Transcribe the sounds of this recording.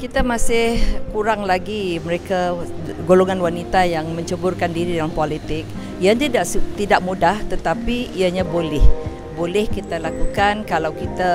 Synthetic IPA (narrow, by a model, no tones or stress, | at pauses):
kit̪amasɪhkuɾaŋlaɡiməɾeka | ɡoloŋanwanit̪ajaŋmə̃ɲt͡ʃəbʊrkandiɾidalaŋpolit̪ɪk̚ | jant̪idaʔt̪idaʔmudaht̪ət̪apiiaɲabolɛh | bolɛhkit̪alakukankalawkit̪a